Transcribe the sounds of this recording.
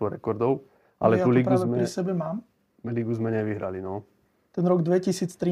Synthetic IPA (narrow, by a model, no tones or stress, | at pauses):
ɔɾɛkɔɾd̪ɔʊ | ʔa̰lɛt̪uːliːpɾɡuaːʋɛmɛɾisɛbɛmaːm | liːɡuzmɛɲɛʋiɦɾa̰linɔ | t̪ɛnɾɔɡd̪ʋɛcisiːt͡st̪ɾi